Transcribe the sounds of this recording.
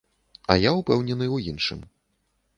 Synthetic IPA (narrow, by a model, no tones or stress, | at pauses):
ɐjawpɛwnʲɛnɨwjinʂɨ̰m